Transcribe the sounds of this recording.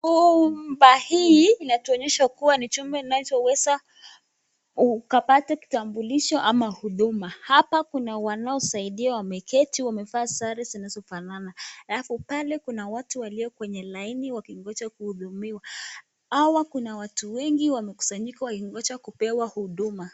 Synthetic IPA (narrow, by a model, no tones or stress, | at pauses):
umbahiːnatuɔɲɛʃakuwanit͡ʃumbɛinat͡ʃɔwɛza | ukapataki̥tambuliʃɔʔamahuɗumahapakunawanaɔsaiɗiawamɛkɛtiwamɛfasaɾizinaɛzɔfananaalafupalɛkunawatuwaliɔkwɛɲɛlainiwakiŋɡɔt͡ʃakuhuðumiwa | awakunawatuwɛŋɡiwamɛku̥saɲikawakiŋɡɔt͡ʃakupɛwahuɗuma